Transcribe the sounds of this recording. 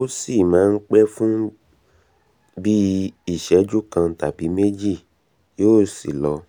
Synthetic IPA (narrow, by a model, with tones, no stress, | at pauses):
o˦si˦˨mãː˨˦˧n̩˦k͡pɛ˦fũ˦ | bi˦i˦˨ʃɛ˨˦d͡ʒu˦kã˧˨ta˨bi˨˦me˦d͡ʒi˦˨ | joː˦˨sḭ˨lɔ˨˧˦